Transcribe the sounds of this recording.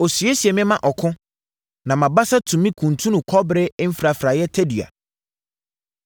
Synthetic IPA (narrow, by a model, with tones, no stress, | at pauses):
o˨sɥe˦si˨ɛ˨mɪ̃˦mã˦ʔɔ˨kʰʊ̃˦ | nã˨mã˨ba˦sa˦tʰũ˨mĩ˦kʰũ˨n˨tʰũ˦nũ˨kʰɔ˦bɾɪ˦m̩˦fɾa˨fɾa˨jɛ˦tʰɛ˦di˨a̰˨